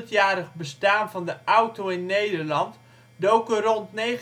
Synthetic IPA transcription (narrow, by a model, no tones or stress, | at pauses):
ətjaːɾəχbəstaːnvɑndəʔawtoɪnːejdəɹlɑnt | dowkərɔntnej